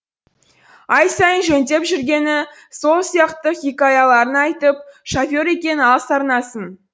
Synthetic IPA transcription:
ɑjsɑjənʒent̪e̞pʒʏɾɡʲe̞nɪ | so̞lˠsijɑqt̪əχʲikɑjɑlˠɑɾənɑjt̪əp̚ʃafʲo̞ɾe̞kʲe̞nɪɑsɑɾnɑsən

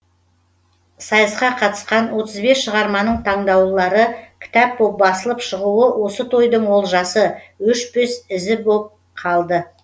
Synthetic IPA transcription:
sɑjəsqɑqʰɑt̪ə̥sqɑnwo̞t̪əzbe̞sʃəʁɑɾmɑnəɴt̪ʰɑɴd̪ɑwlˠɑɾəkʲʰɪ̥t̪æp̚bop̚bɑsəlˠəpʃəʁuəwʔo̞sət̪ʰo̞jd̪əɴwo̞lˠʒɑsəwʏʃpesɪzɪbolˠəp̚ | qʰɑlˠd̪ə

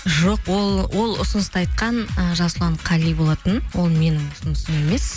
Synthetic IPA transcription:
ʒo̞qwo̞lˠwʔo̞lˠʊ̰sʊnəst̪ɑjt̪̚qɑnəʒɑslˠɑɴqʰɑlijbo̞lˠɑt̪ənwo̞lˠme̞nɪŋʊsʊnəsəme̞me̞s

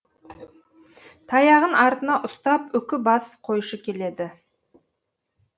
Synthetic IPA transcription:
t̪ʰɑjɑʁənʔɑɾt̪ənɑʔʊst̪ɑpʏkʲɪbɑsqʰo̞jʃəkʲʰe̞le̞d̪ɪ

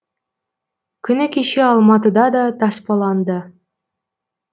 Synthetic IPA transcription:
kʲʰʏ̆nɘkʲeʃeɑlˠmɑt̪əd̪ɑd̪ɑt̪ʰɑspɑlˠɑnd̪ə

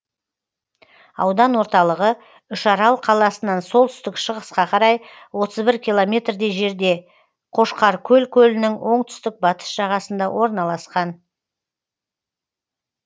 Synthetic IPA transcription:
ɑ̰wd̪ɑnwo̞ɾt̪ɑlˠəʁə | ʏʃɑɾɑlˠqʰɑlˠɑsənɑnso̞lˠt̪ʰʏst̪ɪkʃəʁəsqɑqʰɑɾɑj | wo̞t̪əzbɪɾkʲʰilˠo̞mʲe̞t̪rd̪e̞ʒe̞ɾd̪e̞ | qʰo̞ʃqɑɾkʲʰɵlkʲʰɵlɪnɪŋwʔo̞ɴt̪ʰʏ̥st̪ɪk̚bɑt̪ə̥sʒ̥ɑʁɑsənd̪ɑwʔo̞ɾnɑlˠɑsqɑn

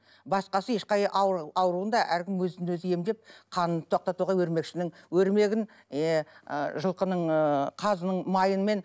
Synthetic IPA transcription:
bɑsqɑsəe̞ʃqɑjʔɑɑwɾuənd̪ɑʔæɾkʲɪmwɵzɪnwɵzɪje̞md̪e̞p̚qʰɑnənət̪ʰoqt̪ɑt̪uʁɑwɵɾme̞kʃɪnɪŋwɵɾme̞ɡʲɪn | ʒəlˠqənəɴqʰɑzənəɴmɑjənme̞n

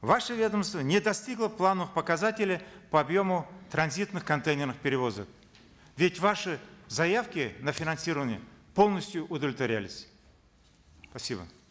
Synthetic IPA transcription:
vaʂəvʲe̞d̪əmst̪vənʲɪd̪ɐsʲtʲiɡlˠəplˠanəfpəkɐzatʲɪlʲɪpəɐbjo̞mʊt̪ɾɐnzʲit̪nɨxkɐnt̪ejnʲɪrnɨxpʲɪɾʲɪvo̞zək̚ | vʲɪtʲvaʂɨzɐjafkʲɪnəfʲɪnɐnsʲiɾəvənʲɪjəpo̞lˠnəsʲtʲjʊʔʊd̪əvlʲɪt̪vɐɾʲa̰lʲɪsʲ | pɐsʲibə̰

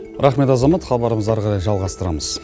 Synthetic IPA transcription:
ɾʔɑχme̞t̪ɑzɑmɑt̪χɑbɑɾəməzɑɾʁɑɾɑjʒɑlˠʁɑst̪əɾɑ̰məz̥

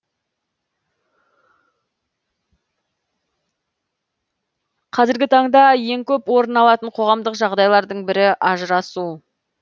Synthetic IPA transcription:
qʰɑzɪɾɡʲɪt̪ʰɑɴd̪ɑje̞ŋkʲʰɵpwo̞ɾənɑlˠɑt̪əɴqʰo̞ʁɑmd̪əqʒɑʁd̪ɑjlˠɑɾd̪əɴbɪɾɪʔɑʒəɾɑsu

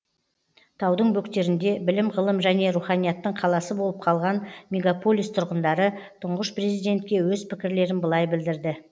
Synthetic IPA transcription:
t̪ʰɑwd̪əɴbɵkt̪e̞ɾɪnd̪e̞bɪlɪmʁəlˠəmʒæne̞ɾuχɑnijɑt̪ːəɴqʰɑlˠɑsəbo̞lˠəp̚qʰɑlˠʁɑnmʲe̞ɡapo̞lʲˠijst̪ʰʊɾʁənd̪ɑɾət̪ʰʊɴʁəʃprezijd̪e̞nt̪̚kʲe̞wɵzpʰɪkʲɪɾle̞ɾɪnbəlˠɑjbɪld̪ɪɾd̪ɪ

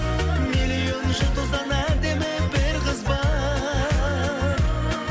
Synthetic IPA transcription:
milijo̞nʒʊlt̪ʰʊzd̪ɑnæd̪e̞mɪbɪɾqəzbɑ

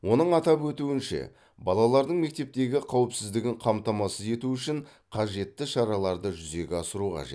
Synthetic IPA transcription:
wʔo̞nəɴɑt̪ɑpwɵt̪uwɪnʃḛ | bɑlˠɑlˠɑɾd̪əɴme̞k̚t̪e̞p̚t̪e̞ɡʲɪqʰɑwɪpsɪzd̪ɪɡʲɪɴqʰɑmt̪ɑmɑsəze̞t̪uʏʃɪɴ | qʰɑʒe̞t̪ːɪʃɑɾɑlˠɑɾd̪əʒʏze̞ɡʲɪɑsəɾuqʰɑ̰ʒḛt̪

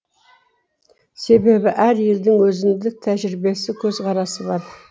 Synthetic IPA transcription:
se̞be̞bɪʔæɾje̞ld̪ɪŋwɵzɪnd̪ɪk̚t̪ʰæʒɾɪbe̞sɪkʲʰɵzqɑɾɑsəbɑɾ

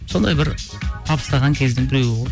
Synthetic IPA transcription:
so̞nd̪ɑjbɪɾ | t̪ʰɑpə̥st̪ɑʁɑŋkʲʰe̞zd̪ɪŋbɪɾe̞wɪwo

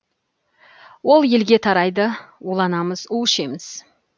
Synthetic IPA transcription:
wo̞lˠje̞lɡʲe̞t̪ʰɑɾɑjd̪əwulˠɑnɑməzuwɪʃe̞mɪz̥

